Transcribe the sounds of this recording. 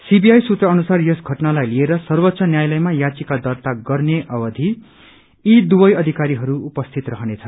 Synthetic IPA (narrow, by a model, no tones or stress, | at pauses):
sibiajsut̪rʌʌnusarjʌsɡʱʌʈnalajlieɾʌsʌrwʌt̪sʌnjajlʌjmajat͡sikad̪ʌrt̪aɡʌrneʔʌbʌd̪ʱiː | d̪ubʌjʌd̪ʱikaɾiɦʌɾuupʌst̪ʰit̪rʌɦʌnet͡sʰʌ